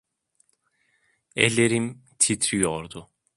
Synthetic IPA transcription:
ḛlʲeɾimt̪ʰit̪ʰɾyjɔɾd̪ʊ

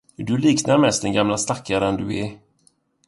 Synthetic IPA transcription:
dɵliːknaɾmɛst̪d̪ɛnɡamlast̪akːaɾənd̪ɵɛ

